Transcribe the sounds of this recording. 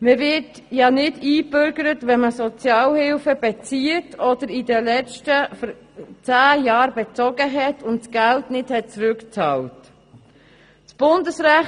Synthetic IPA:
məvɪt | jɑnɪdiːbʏɾɡəɾətvɛnməsɔt͡sjɑːlhɪlfəb̥ɛt͡siətʰɔd̥̪əɾɪdəlɛt͡ʃtəf | t͡sæːjɑːɾbɛt͡sɔɡəɦɛtʰʊntsɡ̥æltnɪthɛt̚t͡sɾʏkt͡sɑːlt | sb̥ʊndəsɾæ

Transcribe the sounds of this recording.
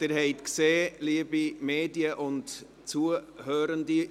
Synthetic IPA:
d̥ɪɾɦɛɪtkseːliəbimeːdiəʔʊnt | t͡suəhøːɾəndi

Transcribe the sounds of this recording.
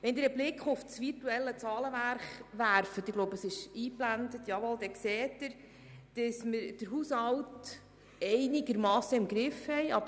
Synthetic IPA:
ʋɛnd̪iːɾəblɪkχʊfsʋiɾtuɛlːət͡sɑːləʋæɾχʋæɾfət̪ɪɡloʊbəəsɪʃiːplændət̪jɑʋɔld̪ɛkseːtːəɾ | d̥əsməɾd̥əɾɦuːshɑlt | ɛɪnɪɡəɾmɑːsəɪmɡɾɪfhɛjɑb

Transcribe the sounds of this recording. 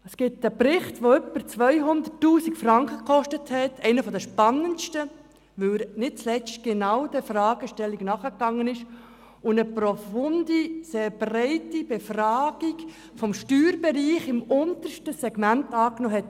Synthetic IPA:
əsɡ̥ɪtəprɪχtʋoœpəɾt͡sʋœʏɦʊnd̪ətːuːsikfɾɑŋkχəkχɔʃtəthɛtʰɛɪnəfɔdəʃpɑnənʃtə | ʋɵləɾnɪt̚t͡slɛt͡stɡ̥enɑwd̥əfrɑːɡ̥əʃtɛlːiɡnɑːχəkːɑŋːənɪʃ | ʊnəpɾɔfʊndiseːɾbrɛɪtib̥efrɑːɡ̥iɡ | fɔmʃtyːɾbeɾiːχɪmʊnt̪əɾʃtəsɛɡ̥mæntɑːknoːɦɛt

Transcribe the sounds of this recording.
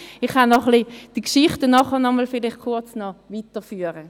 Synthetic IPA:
ɪχhanːɔχlid̥ikʃɪχtənɔχənɔmɔlfɪlɪχkʰʊɐt͡snɔviːtəfyːəʁə

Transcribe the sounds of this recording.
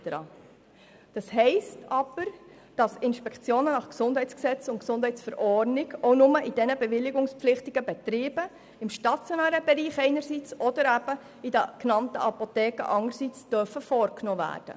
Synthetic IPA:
əɾɑ̰ | d̥ɑshɛɪstʰɑb̥əɾ | d̥ɑsɪnʃpɛkt͡sjoːnənɑχksʊnd̥ɦɛɪt͡sksɛt͡sʊntksʊnd̥hɛɪt͡sfɛɾʔɔrnɪɡoʊnʊməʔid̥ɛnəbɛvɪlːɪɡʊŋspflɪχtɪɡ̥əbɛt̪ɾiːb̥ə | ɪmʃtɑt͡sjɔnæːɾəb̥ɛɾiːχɛɪnəɾsiːt͡sɔd̥̪əɾæb̥ə | idəknɑntə̰ʔɑpotɛːkə̰ʔɑŋəɾsit͡sd̥œfəfɔːɾknoːvæ̰ːrd̥ə̰

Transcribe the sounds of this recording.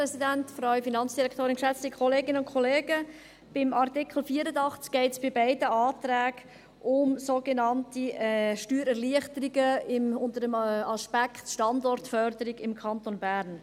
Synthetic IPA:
ɾɛsidæntfɾɔʏɥfinɑnt͡sd̥iɾɛkʰtoːɾɪnkʃɛt͡stikχoleːɡɪnəʊnkʰχoleːɡə | b̥ɪmɑɾtɪkʰl̩fiəɾədɑχt͡sk̚ɡ̥ɛɪtsb̥ɪbæɪdəɑːt̪ɾɛːɡ | ʔʊmsoɡenɑntiʃtyːɾɛɾliəχtəɾiɡəɪmʊntədəmɑspɛkχtʃtɑndɔɾtfœɾdəɾiɡɪmkʰɑntonbæɾn

